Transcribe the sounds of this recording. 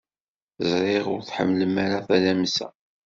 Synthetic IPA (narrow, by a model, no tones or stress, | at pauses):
zˤɾˤɪʁʊɾθħə̰mːləmːaɾaθælæmsæ̰